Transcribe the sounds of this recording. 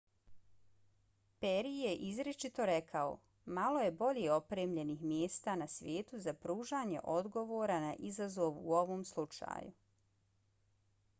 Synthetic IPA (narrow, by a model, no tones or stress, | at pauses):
peɾije̞ʔizɾet͡ʃit̪o̞ɾe̞kʰao̰ | malo̞je̞bo̞ʎeo̞pɾeːmʎe̞niːxmjeːst̪aːnasʋʲje̞ːt̪uzapɾuːʒaːɲe̞̰ʔo̞d̪ɡo̞ʋoːɾanaʔizazo̞ʋṵoʋoːmslˠut͡ʃa̰ːju